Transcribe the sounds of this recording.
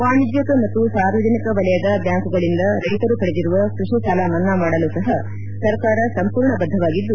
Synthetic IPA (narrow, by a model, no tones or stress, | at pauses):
ʋaːɳid͡ʒjɐkɐmɐt̪ːusaːɾʋɐd͡ʒɐnikɐʋɐlɛjɐd̪ɐbjaːŋkuɡɐɭind̪ɐɾɐjt̪ɐɾupɐɽed̪iɾuʋɐkɾuʂisɐːlaːʋɐnːɐmaːɽɐlusɐɦɐ | sɐɾkaːɾɐsɐmpuːɾɳɐbɐd̪ʱːɐʋaːɡid̪ːu